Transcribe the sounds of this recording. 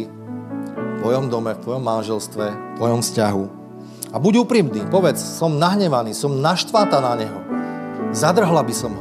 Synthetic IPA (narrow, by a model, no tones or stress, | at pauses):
i | ft̪ʋɔjɔmd̪ɔmɛft̪ʋɔjɔmːanʒɛlst̪ʋɛft̪ʋɔjɔmfscaɦu | abuɟuːpɾiːmniːpɔʋɛt͡ssɔmnaɦɲɛʋaniːsɔmnaʃt̪ʋaːt̪anaɲɛɦɔ | zad̪r̩ɦlabisɔmɦ